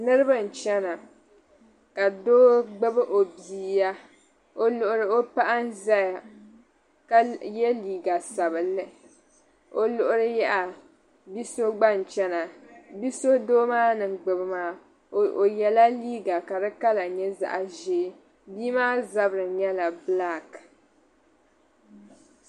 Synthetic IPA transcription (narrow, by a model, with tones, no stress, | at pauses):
nɨ˦ɾɨ˦ba˦n̩˨t͡ʃɛ˦na˨ | ka˨doː˦ɡ͡bɨ˦bɨ˦ʔo˨biː˨ja˦ | o˦lʊ˨ʔʊ˦ɾɨ˦o˦pa˦ʔa˦n˦za˦ja˨ | ka˦jɛ˦liː˨ɡa˨sa˨βɨ˨lːɨ˦ | o˨lʊ˨ʔʊ˦ɾɨ˦jɛ˦ʔa˨ | bi˦so˦ɡ͡ba˦n˨t͡ʃɛ˦na˨bi˦so˦doː˦maː˦nɨ˨ɡ͡bɨ˨bɨ˦maː˦˨ | o˨jɛ˨la˦liː˦ɡa˨ka˨dɨ˦ka˦la˨ɲɛ˦za̰˨ʔa˨ʒeː˦ | biː˦maː˦za˦bɾɨ˨ɲɛ˦la˨bla˦˨k